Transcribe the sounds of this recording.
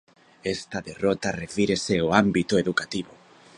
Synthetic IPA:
ɛst̪ɐðerɔt̪ɐrefiɾeseoambit̪oeðukat̪iβo

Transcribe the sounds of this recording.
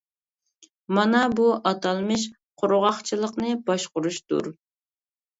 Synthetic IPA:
mɑnɑbuʔɑt̪ʰɑlˠmɨʃ̬ | qʰʊɾʁɑχt͡ʃʰilˠəqnɨbɑʃqʊɾuʃt̪ṵɾ

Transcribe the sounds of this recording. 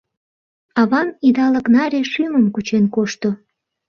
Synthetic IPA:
ɑβɑnid̪ɑləknɑɾʲeʃyməmkut͡ɕenkoʃt̪o

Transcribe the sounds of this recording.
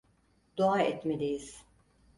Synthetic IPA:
d̪oaɛt̪med̪ejiz̥

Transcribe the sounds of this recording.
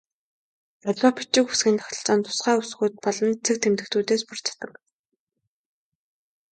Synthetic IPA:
ɔɮʲɔːpi̥t͡ɕɪ̆ku̥sɡʲiːnt̪ʰɔ̥xə̥̆ɬt͡saːnt̪ʰʊ̥sχæːusxuːt̪̚pɔɮɞ̆nt͡sʰĕk̚t̪ʰemt̪ɘ̆t̪ʰuːt̪eːspʊr̥t͡ɕʰḁt̪ə̆k

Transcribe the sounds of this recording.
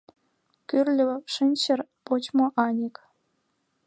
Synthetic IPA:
kyrlʲɘ̆ʂənʲt͡ɕə̆rpot͡ɕmoʔɑnʲek

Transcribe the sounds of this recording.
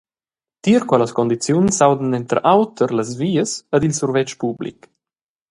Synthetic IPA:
t̪iəɾkwɛləskɔnd̪it͡sjunsawd̪ənɛnt̪əɾʔawt̪ʰəɾləzviːəsədilsuɾvɛt͡ʃpublḭk

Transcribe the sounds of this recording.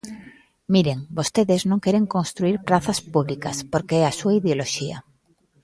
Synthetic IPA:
miɾeŋbost̪eðeznõŋkeɾeŋkonst̪ɾuiɾpɾaθaspuβlika̰spoɾkeɛasuaiðeoloʃia̰

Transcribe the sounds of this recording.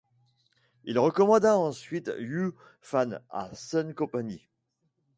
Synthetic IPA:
ilʁəkɔmɑ̃d̪aɑ̃sɥit̪jy | fana̰sœnkɔ̃paɲi

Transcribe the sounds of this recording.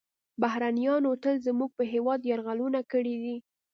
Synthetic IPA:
baɦɾanijɑnot̪əlzəmuɡ̚pəɦewɑd̪jɑɾɣalunakəɽid̪i

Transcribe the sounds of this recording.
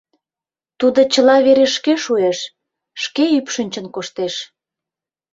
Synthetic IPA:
t̪ud̪ot͡ɕəlɑβeɾeʃkeʃueʃ | ʃkeypʃənʲt͡ɕə̆nkoʃt̪eʃ

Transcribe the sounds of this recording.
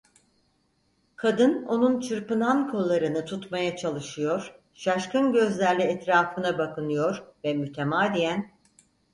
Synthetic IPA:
kʰad̪ɯno̞nunt͡ʃʰɯɾpɯnankʰo̞lˠːaɾɯnɯt̪ʰut̪majat͡ʃʰalˠɯʃɯjo̞ɾ̥ | ʃaʃkɯnɟø̞zlʲæɾlʲɛɛt̪ɾaːfɯnabakɯnɯjo̞ɾvɛmyt̪ʰemaːd̪ijæn

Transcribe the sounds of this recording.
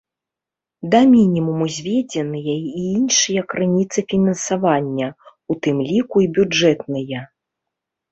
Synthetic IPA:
d̪ɐmʲinʲimumuzʲvʲed͡zʲɛnɨjɐiinʂɨjɐkɾɨnʲit̪sɨfʲinɐnsavanʲːɐ | ut̪ɨmlʲikuibʲud͡ʐɛt̪̚nɨjɐ

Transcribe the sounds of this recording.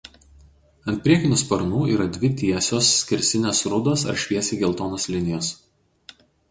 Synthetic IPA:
ɐnt̪ʲpʲɾʲiɛkʲɪnʲʊspɐɾnuːiːɾɐd̪ʲʋʲɪt̪ʲiɛsʲoːsːʲkʲɪɾʲsʲɪnʲeːsɾʊd̪oːsɐ̰ɾʃʲʋʲiɛsʲiːɡʲɛlˠt̪oːnoːslʲɪnʲɪjoːs

